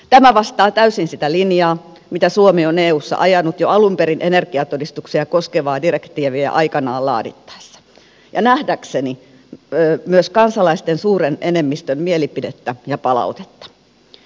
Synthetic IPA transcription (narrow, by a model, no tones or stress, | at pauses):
t̪æmæʋɑst̪ɑːt̪æysinsit̪ælinjɑː | mit̪æsuomioneːuːsːɑ̰ʔɑjɑnːut̪joɑlumpeɾinʔenerɡiɑt̪odist̪uksiɑkoskeʋɑːdirekt̪iːʋiḛʔɑ̰ikɑnɑ̰ːlɑ̰ːdḭt̪ːɑ̥esːɑ̥ | jɑnæhdækseniː | myøskɑnsɑlɑist̪ensuːrenenemːist̪ømmielipidet̪ːæjɑpɑlɑ̰ut̪e̥t̪ːɑ̥